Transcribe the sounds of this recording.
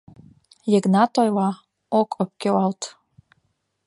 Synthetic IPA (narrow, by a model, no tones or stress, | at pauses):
jeɡnatʰʼojla | okʷʼəp̚kʲewaltʰʼ